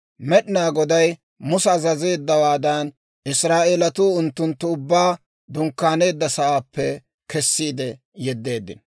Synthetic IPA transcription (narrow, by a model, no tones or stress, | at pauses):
mɛɗɪnaːɡɔd̪ɐj | mʊsɛːzɐze̞ːd̪ːɐwaːd̪ɐn | ɪsɾaːʔeːlɐt̪uːʊnt̪ːʊnt̪ːʊʊbːaː | d̪ʊŋkːaːne̞ːd̪ːɐsɐwaːpːɛ | kɛsːiːd̪ɛ | jɛd̪ːe̞ːd̪ːɪ̰n